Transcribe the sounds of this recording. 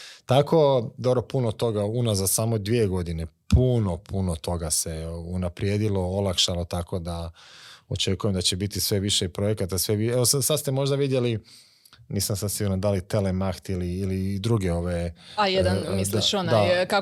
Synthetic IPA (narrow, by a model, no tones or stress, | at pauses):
t̪akʰo̞d̪obɾopunot̪o̞ɡaunazasaːmod̪ʋie̞ɡo̞d̪ine̞pʰuno̞pʰunot̪ʰo̞ɡase̞unapɾjeːd̪ilo̞olˠakʃalo̞t̪akʰo̞d̪a | ot͡ʃe̞kujemd̪at͡ɕebit̪isʋe̞ʋiʃeipɾo̞je̞kat̪asʋeʋieʋosasad̪st̪e̞mo̞ʒd̪aʋid̪je̞li | niːsamsad̪siɡuɾnand̪alit̪e̞lemaxt̪iliːlid̪ɾuɡe̞o̞ʋeajed̪aisd̪aond̪aka